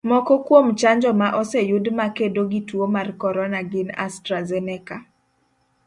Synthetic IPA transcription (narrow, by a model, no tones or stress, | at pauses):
mɔkɔkwomt͡ʃaɲd͡ʒɔmaʔɔsɛjʊdmakedoɡitwomarkɔɾɔnaɡɪna̰stɾazɛnɛka